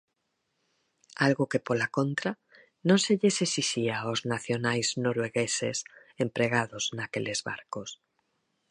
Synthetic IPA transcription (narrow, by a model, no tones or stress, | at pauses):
alɣokepolakõnt̪ɾa | nõnseʎesesisiaoznaθjonajznoɾweɣesḛsẽmpɾeɣ̞aðoznakelezβa̰ɾkos